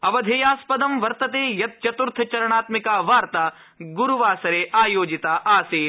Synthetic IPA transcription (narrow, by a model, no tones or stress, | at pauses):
ɐʋɐd̪ʱeːjaːspɐd̪ɐmʋɐɾt̪ɐt̪eːjɐt̪̚t͡ʃɐt̪uɾt̪ʰɐt͡ʃɐɾɐɳaːt̪mikaːʋaːɾt̪aː | ɡuɾuʋaːsɐɾeːʔaːjoːd͡ʒit̪aːʔaːseː